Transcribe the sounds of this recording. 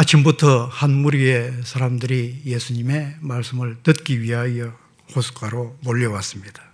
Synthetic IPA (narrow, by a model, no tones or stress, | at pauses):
at͡ɕʰimbutʰʌhanmuɾie̞sʰaɾamdɯɾijesʰuɲime̞maɭs͈ɯmɯɭtɯt̚k͈iɥiɦajʌ | hosʰu̥k͈aɾomoʎːʌwas͈ɯmɲid̥ḁ